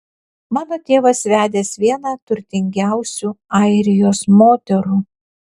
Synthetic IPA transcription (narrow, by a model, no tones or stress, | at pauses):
mɑːnoːt̪ʲeːʋɐsʋʲæːd̪ʲeːsʋʲiɛnɑːt̪ʊɾʲt̪ʲɪŋʲɡʲæˑʊsʲuːɑˑɪɾʲɪjoːsmoːt̪ʲɛɾuː